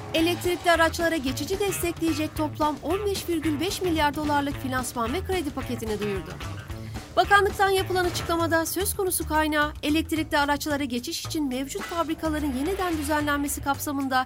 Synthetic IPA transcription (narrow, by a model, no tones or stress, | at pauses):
e̞lʲɛc̚t̪ʰiɾʲicʲlʲɛaɾat͡ʃlˠaɾaɟe̞t͡ʃʰid͡ʒid̪ɛst̪ʰɛclʲejed͡ʒɛc̚t̪ʰo̞plˠamo̞nbɛʃviɾɟylʲbɛʃmilʲjaɾd̪o̞lˠaɾlˠɯkfinʲansmanmɛkɾed̪ipʰace̞t̪ʰinid̪ujuɾd̪ʊ̰ | bakanlˠɯk̚t̪ʰanjapɯlˠanat͡ʃʰɯ̥klˠamad̪asøz̥kʰo̞nusukʰajnaːe̞lʲɛc̚t̪ʰiɾʲic̚lʲiaɾat͡ʃlˠaɾaɟe̞t͡ʃʰiʃi̥t͡ʃʰinmɛvd͡ʒut̪fabɾikʰalˠaɾɯnje̞nid̪ænd̪yzænlʲænme̞sikʰapsamɯnd̪a